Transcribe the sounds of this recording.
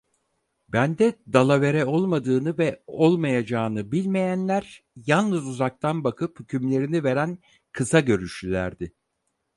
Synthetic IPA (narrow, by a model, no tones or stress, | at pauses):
bænd̪ɛd̪alˠave̞ɾɛo̞lˠmad̪ɯːnɯvɛo̞lˠmajad͡ʒaːnɯbilʲmejænlʲæɾ | jalˠnɯzuzak̚t̪ʰanbakʰɯphycʰymlʲe̞ɾinive̞ɾæn | kʰɯsaɟø̞ɾyʃylʲæɾd̪ɪ